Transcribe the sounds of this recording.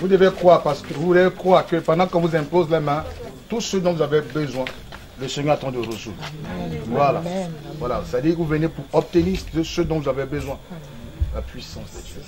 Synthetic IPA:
vud̪əvekχwaʁpaʁsə̥kəvuvulekχwaːʁkəpɑ̃d̪ɑ̃kɑ̃vuzɛ̃pozlamɛ̃t̪usød̪ɔ̃vuzavɛbəzwɛ̃ | ləsɛɲœʁat̪ɑ̃d̪əʁəʒṵd̪vwalavwalavusad̪ivuvənepuʁɔp̚t̪əniʁd̪əsød̪ɔ̃vuzavɛbəzwɛ̃ | lapɥisɑ̃s

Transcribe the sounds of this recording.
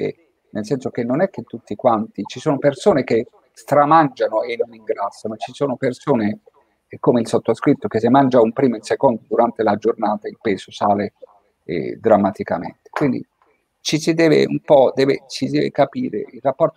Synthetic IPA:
ḛ | nʔelsɛnsok̟enːonɛk̟ːet̪ːut̪ːikwant̪it͡ʃisoːnopersoːnek̟e | st̪ɾamand͡ʒanoenːoniŋɡɾasːanot͡ʃisoːnopersoːne | komeilsot̪ːoskɾit̪ːok̟es̬emand͡ʒaumpɾiːmoilsekond̪od̪uɾant̪elad͡ʒornaːt̪ailpɛːsosaːle | ɛ̰d̪ɾamːat̪ika̰mḛnt̪e̥kwind̪ḭ | t͡ʃisid̪ɛːvḛṵmpɔd̪ɛːvḛt͡ʃid̪ɛːvḛkapiːɾḛirrapːɔrt̪o

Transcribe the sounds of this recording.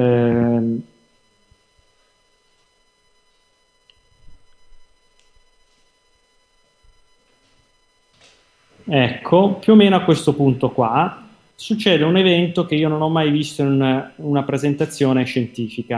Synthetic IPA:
ɛkʰːopjuːmːeːnoakːwest̪opunt̪okwa | sut͡ʃːɛːd̪eunevɛnt̪ok̟eiːononɔmːajvist̪oinununapɾezent̪at̪sːjoːneʃent̪iːfika

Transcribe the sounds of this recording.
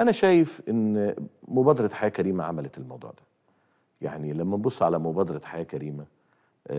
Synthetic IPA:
ʔænæʃæːjefʔɪnːmʊbæːd̪ɑɾˤɑħajæːkæɾiːmæʕa̰mælæelmɑwd̪ˤṵːʕd̪æ̥ | ja̰ʕnilæmːæbosˤːʕalæmʊbæːd̪ɑɾˤɑħajæːkæɾiːmæ

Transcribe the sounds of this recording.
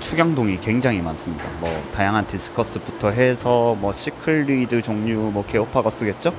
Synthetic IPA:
t͡ɕʰuɡjaŋdoŋikwe̞ŋd͡ʑaŋɦimans͈ɯmɲida̰mwʌ̰tajaŋɦandis͈ʰɯ̥kʰʌs͈ɯbutʰʌɦe̞sʰʌmwʌɕʰikʰɯɭːidɯt͡ɕoŋɲumwʌke̞opʰaɡas͈ɯɡe̞t̚t͡ɕ͈o

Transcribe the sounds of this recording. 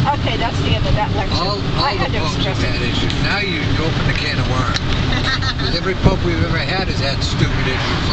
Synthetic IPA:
ʔoʊkʰeɪðætsðiɛ̃ndʌvðæɾlɛkɔ̃lˠ | ɔlˠdɔ | ɛæ̃ɾɪʃɨ̃nnaʊjɨoʊpɨ̃nɨkʰæ̃nəwɜ˞ | wʌðɛvɹipʰoʊpwivɛvə˞ɨɾɨzɨd̥stʉpɨɾɪ

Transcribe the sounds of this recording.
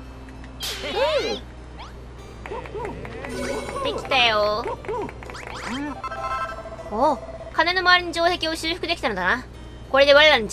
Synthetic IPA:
d̪ekʲi̥t̪ejo | o | kane̞no̞maaɾʲiɲid͡ʑo̞ːse̞kʲio̞ɕiɸɯ̟kɯd̪ekʲi̥tanod̪ana | ko̞ɾe̞d̪eβaɾɯdaɾɯ̃nd͡ʑa

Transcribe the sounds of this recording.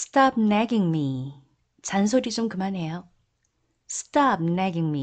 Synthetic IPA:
stʰap̚naɡiŋmi | t͡ɕans̬ʰoɾit͡ɕomkɯmanɦe̞jo | stʰap̚nɛɡiŋmi

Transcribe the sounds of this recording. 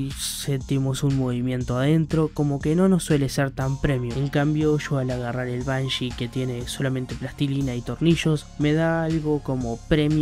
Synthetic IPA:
se̞nt̪imo̞sunmo̞βimje̞nt̪oaðe̞nt̪ɾo̞ko̞mo̞ke̞no̞nosːwe̞leseɾt̪ampɾe̞mjoeŋkambjo̞ʃo̞alaɣ̞araɾe̞lβanʃike̞t̪je̞ne̞so̞lamẽ̞nt̪e̞plast̪ilinait̪o̞ɾniʃo̞s | me̞ð̞aalɣo̞ko̞mo̞pɾe̞mj

